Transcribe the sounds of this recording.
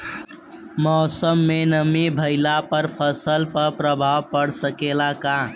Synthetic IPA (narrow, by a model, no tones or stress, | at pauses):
mɔːsəmːenəmibʱəɪlapəɾpʰəsəlpəɾpɾəbʱawpəɽsəkelakã